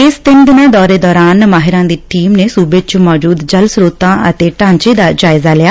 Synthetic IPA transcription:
ɪst̪ɪnd̪ɪnaːd̪ɔːɾeːd̪ɔːɾaːnmaːɦɪɾãːd̪iːʈiːmneːsuːbeːt͡ʃmɔːd͡ʒuːd̪d͡ʒəlsɾoːt̪ãːʔət̪eːʈãːɲt͡ʃeːd̪aːd͡ʒaːɪzaːlɪjaː

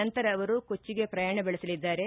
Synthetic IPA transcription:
ɐnt̪ɐɾɐːʋɐɾukot͡ʃːiɡe̞pɾɐjaːɳɐbɛɭɐsɐlid̪ːaːɾe̞

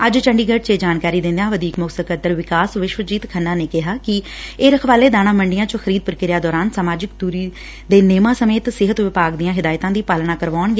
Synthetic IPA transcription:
əd͡ʒt͡ʃə̃ɳɖiːɡəʈ̚t͡ʃeːd͡ʒaːnkaːɾiːd̪ɪ̃nd̪ãːʋəd̪iːkmʊksəkət̪əɾʋɪkaːsʋɪʃʋəd͡ʒiːt̪kʰənːãːneːkɪɦaːkɪ | eːɾəkʰʋaːleːd̪aːñãːməɳɖɪjãːt͡ʃõxʰəɾiːd̪̚pʊɾkɪɾɪjaːd̪ɔːɾaːnsaːmaːd͡ʒɪk̚d̪uːɾiː | d̪eːneːmãːsəmeːt̪sɪɦət̪ʋɪpaːɡd̪ijãːɦɪd̪aːjt̪ãːd̪iːpaːlɳãːkəɾʋaːɳɡeː

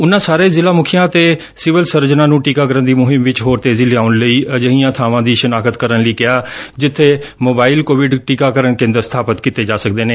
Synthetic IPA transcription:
ʊnːãːsaːɾeːzɪlaːmʊkʰijãːt̪eː | sɪʋəlsəɾd͡ʒnãːnũːʈiːkaːkəɾənd̪iːmʊɦɪmʋɪt͡ʃɦoːɾt̪eːziːlɪaːʊnləiːʔəd͡ʒəɦiːãːt̪ʰaːʋãːd̪iːʃənaːkət̪kəɾənləiːkɪaːd͡ʒɪt̪ʰːeːmoːbaːɪlkoːʋɪɖʈiːkaːkəɾənkɪ̃ːnd̪əsət̪ʰaːpət̪kiːt̪eːd͡ʒaːsək̚d̪eːneː

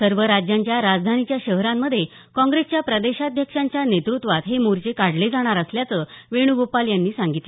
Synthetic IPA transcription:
səɾʋəɾad͡ʑjaɲt͡ɕjaɾad͡zd̪ʱanit͡ɕjaɕəɦɾamːəd̪ʱːje | kɔ̃ŋɡɾest͡ɕjapɾəd̪eɕad̪ʱjəkʂaɲt͡ɕjanet̪ɾut̪ʋat̪ɦemuɾt͡ɕekaɽ̤led͡zaɽ̃aɾəsljat͡səʋeɽ̃uɡopaljanːiːsãŋɡit̪

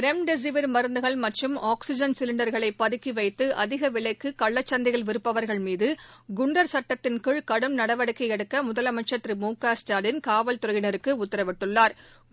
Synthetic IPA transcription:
ɾɛmɖɛs̬ɪʋɐɾmɐɾɯnd̪ɯɣɐɭmɐʈrɯmaːksɪd͡ʒɐnsɪlɪɳɖɐɾɣɐɭɐɪpːɐðɯkːiʋɐɪt̪ːɯʔɐ̰ðɪɣɐʋɪɭɐɪkːɯkɐɭːɐt͡ʃːɐnd̪ɪɣɐɭʋɪɾɯpːɐʋɐɾɣɐɭmiːðɯɡʊɳɖɐɾsɐʈːɐt̪ːɪnkɯɻkɐɽɯmnɐɽɐʋɐɽɯkːɐjɛɽɯkːɐmʊðɐlɐmɐt͡ʃːɐt̪ːɾimuːkːaːsʈaːɖɪnkaːʋɐlt̪ʊɾɐjɪnɐɾɯkːɯʊt̪ːɪɾɐʋɪʈːɯɭːaːɾ

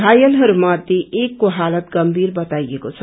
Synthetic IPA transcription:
ajəlɦʌɾumad̪ʱjeʔeːkːoɦaːlət̪ɡəmbʱiːɾbət̪aiekot͡sʰʌ

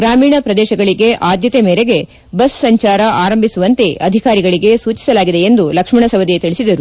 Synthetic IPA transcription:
ɡɾaːmiːɳɐpɾɐd̪ɛːʃɐɡɐɭiɡe̞ʔaːd̪jɐt̪emeːɾeɡe̞ | bɐsːɐɲt͡ʃaːɾɐʔaːɾɐmbʱisuʋɐnt̪e̞ʔɐd̪ʱikaːɾiɡɐɭiɡe̞suːt͡ʃi̥sɐlaːɡid̪e̞end̪ulɐkʂmɐɳɐsɐʋɐd̪et̪iɭisid̪ɐɾu

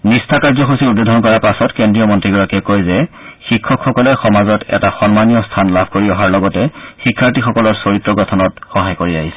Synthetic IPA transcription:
nistʰakaɹzɔxusiud̚bedʱɔnkɔɹapasɔtkendɹijɔmɔntɹiɡɔɹakɛkojzɛ | xikʰːɔkxɔkɔlɛxɔmazɔtɛ̰taxɔnmanijɔstʰanlabʱkoɹiɔɦaɹlɔɡɔtɛxikʰːaɹtixɔkɔlɔɹsoɹitɹɔɡɔtʰɔnɔtxɔɦajkoɹiaɦisɛ̥

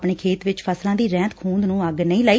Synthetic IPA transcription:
pɳeːkʰeːt̪ʋɪt͡ʃpʰəslãːd̪iːɾɛ̃ːt̪kʰuːnd̪nũːəɡnəĩːləːiː

